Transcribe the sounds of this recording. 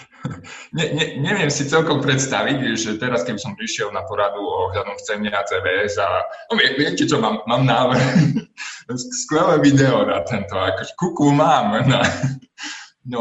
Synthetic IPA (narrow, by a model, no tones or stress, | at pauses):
ɲɛɲɛɲɛʋɪɛmsit͡sɛlkɔmpɾɛt̪st̪aʋiɟʒɛt̪ɛɾaskɛbisɔmpɾiʃɪɛlnapɔɾad̪uɔɦʎad̪ɔmft͡sɛnɛat͡sɛːbɛɛza̰nɔʋɪɛʋɪɛcɛt͡ʃɔmaːmːaːmnaːʋɾ̩x | skʋɛlɛːʋid̪ɛɔnat̪ɛnt̪ɔakɔʒɛkuklumaːmna | nɔ